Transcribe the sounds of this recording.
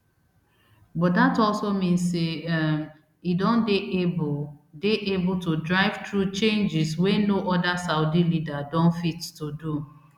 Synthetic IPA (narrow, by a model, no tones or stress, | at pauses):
bɔt̚datɔlsomĩnsːem | idõndeʔebdeʔebʊltudɹaɪv̥tɹut͡ʃẽnd͡ʒɪswɛnoʔɔdasaʊdilidadɔ̃nfittudu